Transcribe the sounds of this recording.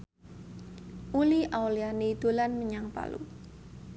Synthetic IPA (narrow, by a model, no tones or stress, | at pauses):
ʔuliʔawlianid̪̥o̤lanməɲaŋpa̰lṵ